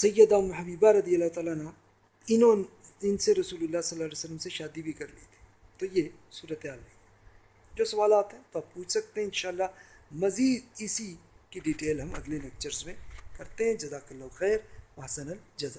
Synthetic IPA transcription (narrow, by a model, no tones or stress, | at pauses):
sɐjːəd̪amʊɦɐbiːbaɾɐd̪ijəlːat̪aːlanã | ɪnoɪnseɾɐsuːlʊlːasɐlːaːleːsəlːəmseʃaːd̪ibʱikɐɾlḛːt̪e̥ | t̪oːjesuːɾət̪eɦaːlɦẽ | d͡ʒoːsɐʋaːlaːt̪ɦɛ̃t̪oaːp̚puːt͡ʃʰsɐk̚t̪eɦɛ̃ɪ̃nʃaːɐlːamɐziːd̪̚ɪsikiɖiːʈeːlɦɐmɐ̰d̪lenek̚t͡ʃəɾzmẽkɐɾt̪eɦɛ̃d͡ʒɐzaːkɐlːɐxɛːɾʋɐɦsɐnɐld͡ʒɐzə